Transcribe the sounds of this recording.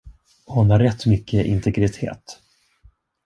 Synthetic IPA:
hʊnaɾːɛt̪ːmʏkʰːəʔɪnt̪ʰɛɡɾɪt̪ʰḛːt̪

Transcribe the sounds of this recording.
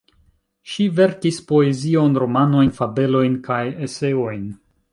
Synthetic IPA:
ʃive̞ɾkispo̞e̞zio̞nɾo̞mano̞jnfabe̞lo̞jnkajese̞o̞jn

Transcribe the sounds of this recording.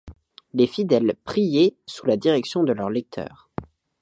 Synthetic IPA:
lefid̪ɛlpχijesulad̪iʁɛksjɔ̃d̪əlœʁlɛk̚t̪ʰœ̰ːʁ

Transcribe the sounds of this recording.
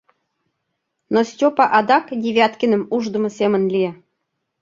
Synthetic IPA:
nosʲtʲopɑʔɑd̪ɑkdʲeβʲɑt̪kʲənə̆muʒd̪ə̆mɤ̆sʲemə̆nlʲie

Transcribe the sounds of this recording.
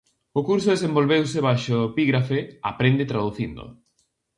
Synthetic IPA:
okuɾsoðesẽmbolβewseβajʃoepiɣɾafeapɾend̪et̪ɾaðuθind̪o̰

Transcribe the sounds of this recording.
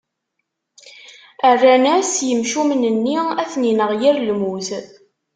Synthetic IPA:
ərːænæsjəmʃumnənːiæθninəʁjiɾlmuθ

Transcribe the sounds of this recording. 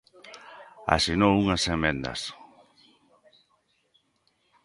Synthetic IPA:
a̰sinowuŋasemẽnd̪a̰s

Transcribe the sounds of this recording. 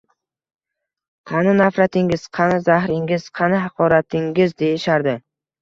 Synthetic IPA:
qʰɑnɪnafɾat̪ʰɪŋɪz̥qʰɑnɪzahɾɪŋʲɪz̥qʰɑnɪɦɑqʰɒɾat̪ʰɪŋɡʲɪzd̪e̞jɪʃaɾd̪ɪ

